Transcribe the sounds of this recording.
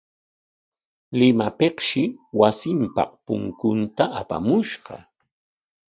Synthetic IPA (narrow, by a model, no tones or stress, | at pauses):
lɪmapeqʃɪwasɪmpɑ̰q̚pʊ̰ŋkʊnt̪aʔapa̰mʊʃɢɑ̰